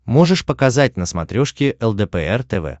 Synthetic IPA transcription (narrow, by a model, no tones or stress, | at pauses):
mo̞ʐɨʂpəkɐzat̚ʲnəsmɐt̪ɾʲoʂkʲɪʔɛlˠd̪ɛpɛɛrt̪ɛvɛ̰